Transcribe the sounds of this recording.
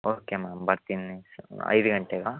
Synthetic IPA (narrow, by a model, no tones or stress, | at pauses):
oːkemaːmbɐɾt̪inːiɐ̰jd̪uɡɐɳʈeɡɐ